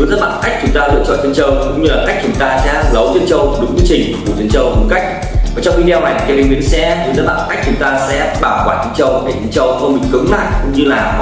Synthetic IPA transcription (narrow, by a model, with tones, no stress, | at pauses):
ɨ˨˦za˦˥ɓa̰ː˧˨nka˦˥jk̚t͡ɕʊ˨˦ŋ͡mt̪aː˧lɨ̰˧ət͡ɕɔ̰˧˨nt͡ɕʰə˧nt͡ɕə˧˩wkʊ̰˧˥ŋ͡mɲɨ˧laː˨˩xa˦˥jk̟̚t͡ɕʊ˨˦ŋ͡mt̪aː˧sɛa̰˧˥˨lə˨˦wzə˧ənt͡ɕə˧wɗɨ˨˦ŋ͡mzi˧ət͡ɕï˨˩ŋ̟˨˩ku˧˩zə˧ənt͡ɕə˧˩wkʊ˨˦ka˦˥jk̟̚ | aː˨˩t͡ɕwŋ͡mʔi˧i˧wma˨˩jkːaː˨˦˩i˨˧˦ŋmi˨˦sɛ˧zzaː˦˥t̚ɓa̰ː˧˨nka˦˥k̚t͡ɕʊ˨˦ŋ͡mt̪aː˧sɛ̰˧˥ɓaː˧˩kwaː˧˩t͡ɕə˧nt͡ɕə˧˩wɗe˧˩t͡ɕə˧nt͡ɕə˧wkɔ˧mï˨˩ŋ̟kɨ˨˦ŋla̰ː˧˨jkʊ̰˧˥ŋ͡mɲɨ˧laː˨˩